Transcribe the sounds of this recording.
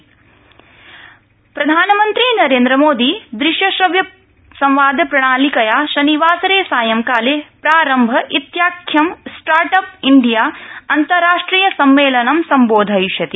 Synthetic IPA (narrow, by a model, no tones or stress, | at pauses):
pɾɐd̪ʱaːnɐmɐnt̪ɾinɐɾeːnd̪ɾɐmoːd̪id̪ɾiʃjɐsɐʋjɐ | sɐ̃mʋaːd̪ʱɐpɾɐɽ̃aːlikɐjaːʃɐniʋaːsɐɾeːsaːjɐmkaːleːpɾaːɾɐmbʱɐʔit̪jaːkʰjɐmsʈaːɾʈɐp̚iɳɖijaːɐnt̪ɐɾːaːʂʈɾiːjɐsɐmʋeːlɐnɐmsɐmboːd̪ʱɐjʃɐt̪i